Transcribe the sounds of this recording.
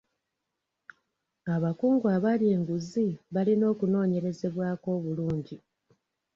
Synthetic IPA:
aβakuːŋɡuaβalje̞ːŋɡuziβalino̞ːkuno̞ːɲe̞ɾe̞ze̞βwaːko̞ːβuluːɲɟi

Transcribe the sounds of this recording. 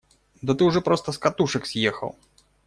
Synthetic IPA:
d̪ɐt̪ɨʊʐɛpɾɔst̪ɐskat̪uʂɨksʲjexɐ̰wˠ

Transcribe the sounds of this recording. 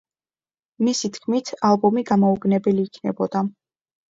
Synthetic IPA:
misit̪ʰkʰmit̪ʰalˠbɔmiɡamɔuɡnɛbɛliːkʰnɛbɔd̪̥a

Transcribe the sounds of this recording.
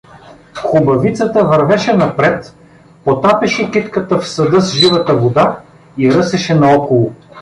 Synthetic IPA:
xʊbɐvit̪sət̪əvɐɾvɛʃɛnɐpɾɛt̪ | pot̪apɛʃɛkit̪kət̪əfsɐd̪ɤsʒivɐt̪əvod̪a | iɾɤsɛʃɛnɐɔkolˠo

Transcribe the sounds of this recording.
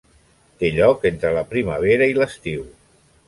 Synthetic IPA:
t̪eʎɔkent̪ɾələpɾiməβ̞eɾəiləst̪iw

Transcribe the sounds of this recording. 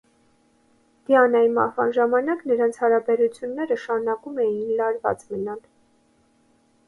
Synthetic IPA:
d̪̥iɑnɑjimɑ̰hvɑnʒɑmɑnɑknəɾɑnt͡sʰhɑɾɑbɛɾut͡sʰjunːɛɾəʃɑɾunɑkumɛjinlɑɾvɑ̰t͡smənɑl

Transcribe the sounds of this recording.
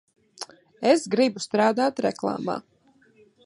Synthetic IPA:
ɛsɡɾibust̪ɾaːd̪aːt̪ɾɛ̰klˠa̰ːma̰ː

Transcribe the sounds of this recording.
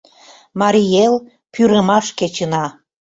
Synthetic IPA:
mɑɾijel | pyɾəmɑʃket͡ɕənɑ

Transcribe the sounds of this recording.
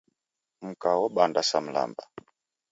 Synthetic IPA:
m̩kawɔɓandasam̩la̰mba

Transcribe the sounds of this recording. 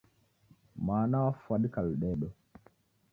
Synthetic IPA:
maːnafaɗkalɗɛːɗɔ

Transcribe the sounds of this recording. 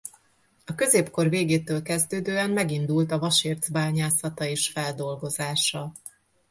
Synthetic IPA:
ɒkø̞zeːpko̞rveːɡeːt̪øːlkɛzd̪øːd̪øːɛmmɛɡind̪ult̪ɒvɒʃeːrd̪zbaːɲaːsɒt̪ɒeːʃfɛld̪o̞lɡo̞zaːʃɒ

